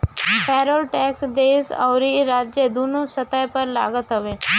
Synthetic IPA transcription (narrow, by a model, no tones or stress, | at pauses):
pʰɛːɾoːlʈɛːksd̪eːsɔ̰ːɾiːɾaːd͡ʒed̪uːnoːsət̪əjpəɾla̰ːɡət̪ɦʊʋeː